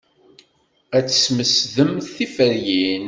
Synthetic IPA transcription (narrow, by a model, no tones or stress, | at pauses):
æt͡sːə̥sməsðəmθθifəɾjin